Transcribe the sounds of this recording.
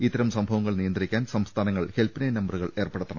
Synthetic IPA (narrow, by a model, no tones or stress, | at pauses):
it̪ːɐɾɐmsɐmbʱɐʋɐŋːɐɭnijɐnd̪rikʲːaːnsɐmst̪ʰaːnɐŋːɐɭhe̞lpinejnɐmbɐruɣɐɭe̞ːrpeɽut̪ːɐɳɐ